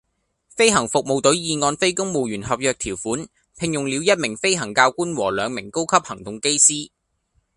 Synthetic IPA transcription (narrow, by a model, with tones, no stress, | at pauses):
fe˥jɦɐ˨˩ŋfʊ˨k̚mo˨˧wt̪ɵ˨˥jiː˨ŋɔː˧nfe˥jkʊ˥ŋmo˨˧wjyː˨˩nɦɐ˨p̚jœː˨k̚t̪ʰiː˨˩wfuː˨˥n | pʰɪ˧ŋjʊ˨ŋliː˨˧wjɐ˥t̚mɪ˨˩ŋfe˥jɦɐ˨˩ŋkaː˧wkuː˥nwɔː˨˩lœː˨˧ŋmɪ˨˩ŋko˥wkʰɐ˥p̚hɐ˨˩ŋt̪ʊ˨ŋke˥jsiː˥